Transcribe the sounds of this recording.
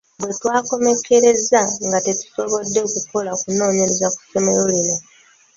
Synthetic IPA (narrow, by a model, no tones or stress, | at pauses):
bwe̞twaːko̞me̞kʰe̞ɾe̞zaŋɡate̞tu̥so̞βo̞dːeokuko̞lakuno̞ːɲeɾezaku̥so̞meɾo̞lino̞